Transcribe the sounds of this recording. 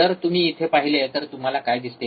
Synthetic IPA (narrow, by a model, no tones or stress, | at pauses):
əɾt̪um̤iːt̪ʰepaɦilet̪əɾt̪um̤alakajd̪ist̪e